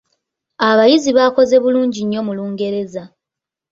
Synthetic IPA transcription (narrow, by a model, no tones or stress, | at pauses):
aβajiziβako̞ze̞βuluːɲɟiɲːo̞muluːŋɡe̞ɾe̞za